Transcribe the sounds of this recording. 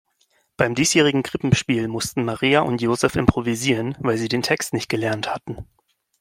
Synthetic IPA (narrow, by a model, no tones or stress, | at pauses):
b̥aɪmdiːsjeːʁ̞ɪɡŋ̩ɡʁɪpm̩ʃpiːlmʊstn̩maʁiːaʔʊntjoːzɛfɪmpʁ̥oviziːʁənvaɪlziːdeːntʰɛkstnɪçt̚ɡ̥əlɛɐnthatn̩